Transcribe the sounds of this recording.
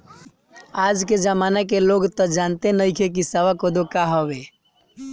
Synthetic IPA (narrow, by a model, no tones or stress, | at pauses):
aːd͡ʒked͡ʒəmaːnakeloɡt̪ɔd͡ʒant̪enəjkʰek̬isəʋakod̪okaɦəʋe